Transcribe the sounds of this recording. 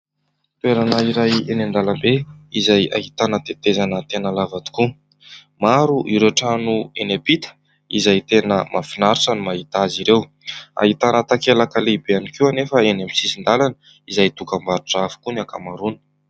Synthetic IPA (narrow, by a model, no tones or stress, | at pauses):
t̪weɾanaiɾajenand̪alambeizaja̰ɦit̪anət̪et̪ezanət̪enəlavat̪u̥ku | maɾuʔiɾeaʈ͡ʂanuenapit̪ə̥ | izajt̪enəmafinaɾʈ͡ʂənumaɦit̪aziɾew | a̰ɦit̪anət̪akelakaleibeanikiwanefəenamisisind̪alanə | izajt̪ukambaɾuʈ͡ʂafu̥kunakamaɾunə̥